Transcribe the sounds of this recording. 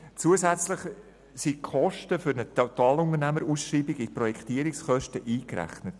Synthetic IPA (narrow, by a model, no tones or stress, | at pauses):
t͡suəzæt͡slɪχ | sikʰχɔʃtəfʏɾnət̪ʰat̪ɑːlʊnəɾnæməɾuːsʃriːbɪɡɪprɔjɛkχtiəɾɪksχœʃtəʔiːkɾæ̰χnət